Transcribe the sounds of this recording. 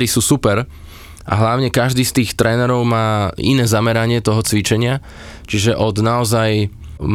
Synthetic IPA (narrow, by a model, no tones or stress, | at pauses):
ɾisuːsupɛɾ | ʔa̰ɦlaʊɲɛkaʒd̪iːst̪iːxt̪ɾɛːnɛɾɔʊmaːḭnɛːzamɛɾaɲɪɛt̪ɔɦɔt͡sʋit͡ʃɛɲɪa | t͡ʃiʒɛʔɔd̪naɔzaj | m